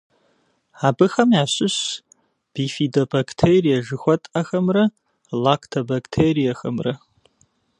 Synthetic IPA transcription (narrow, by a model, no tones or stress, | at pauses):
abɨxɐmiaɕʷɨɕ | b̥ifidobakʰʼtʰejrijaʒɨxʷɐtʼaxɐmra | lakʰtʰɐbakʰʼtʰeɾijaxɐmra